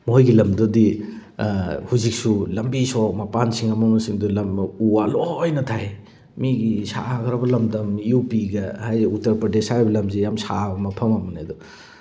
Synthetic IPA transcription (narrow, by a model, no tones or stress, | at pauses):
mojɡilɐmdɔdi | huzik̚sulɐmbisɔmapansiŋɐmɐmɐsiŋdulɐmuwalojnɐtʰaj | miɡisa̰ɡɐɾɐbɐlɐmdɐmiupiɡɐhajutɐɾpɾɐdesabɐlɐmzijamsabɐmɐpʰɐmɐmɐnedɔ